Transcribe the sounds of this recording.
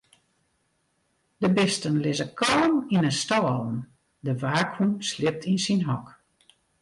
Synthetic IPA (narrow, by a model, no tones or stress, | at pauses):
d̥əbɪstənlɪzəkʰɔləminənstɔlən | dəʋaːkhumslɪp̚tʰinsinɦɔk